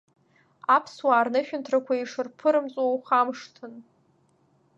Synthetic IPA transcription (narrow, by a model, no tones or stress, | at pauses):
apʰswaːrnɨʃᶣʊntʰrakʷʰaiʂɨrpʰɨɾɨmt͡sʼwawχamʂtʰɨn